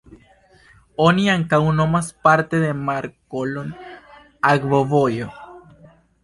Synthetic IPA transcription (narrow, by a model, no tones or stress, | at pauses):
oniaŋkawno̞maspaɾte̞de̞maɾkolon | aɡvovo̞jo